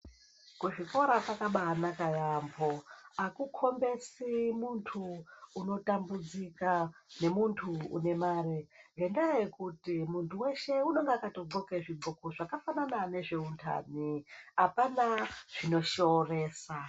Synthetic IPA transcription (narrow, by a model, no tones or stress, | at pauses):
kuʐiko̞ɾapakaɓaːnakajambo̞akukʰo̞mbe̞simuntʰuːno̞tambud͡zikane̞muntʰṵːne̞maːreŋɡe̞ndajekutimuntuwe̞ʃe̞uno̞ŋɡakato̞ɡoke̞ʐiɡokoʐakafananane̞ʐe̞untʰa̰ːniɦapanaʐ̥ino̞ʃo̞re̞ːsa